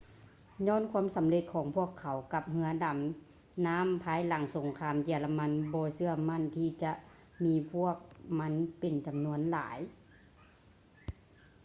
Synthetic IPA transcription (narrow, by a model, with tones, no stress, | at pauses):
ɲɔː˧˥˨nkʰu˧˥ə˨msa˨˦mle˧˦t̪̚kʰɔː˨˩˦ŋpʰu˧˥˩ɐəkʰːa˨˦wka˧˦p̚ɦɯ˧ɐəda˨˩m | naː˧˥˨mpʰaː˧˥˨jla˨˩˦ŋso˨˩˦ŋkʰaː˧˥mjɛː˧˩la˧ma˧˥˨nbɔː˧˦sɯ˧ɐma˧˥˨nt̪ʰiː˧t͡ɕa˧˦ʔ | miː˧˥pʰu˧˥˩ək̚ma˧˥˨npe˨nt͡ɕa˨mnu˧ənla̰ː˩˦j